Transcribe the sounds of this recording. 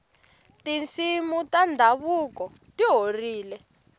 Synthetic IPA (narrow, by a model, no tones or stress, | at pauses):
tint͡simutandʱaβukɔ | tiɦoriːlɛ